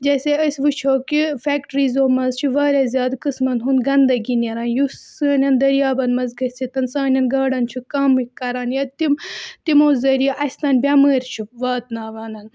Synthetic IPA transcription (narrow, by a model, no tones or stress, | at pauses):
d͡ʒɐːseɐsʲʋɨt͡ʃʰoːkifʲɛːkʈɾiːzoːmɐzt͡ʃʰuʋaːɾʲɐzʲjaːd̪kɨsmɐnɦunɡɐnd̪ɐɡinɐɾaːnjusɨːnʲɐnd̪ɐɾjaːbɐnmɐzɡɐsit̪ɐnsaːnʲɐnɡɐːɽɐnt͡ʃʰukɐmikkːɐɾaːnjɐt̪imt̪imoːzɐɾijʔɐsʲt̪ɐːnʲbʲɐməːɾʲt͡ʃʰuʋaːt̪naːʋaːnɐn